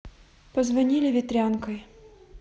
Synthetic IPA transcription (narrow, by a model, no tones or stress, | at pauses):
pəzvɐnʲilʲɪvʲɪt̪ɾʲankəj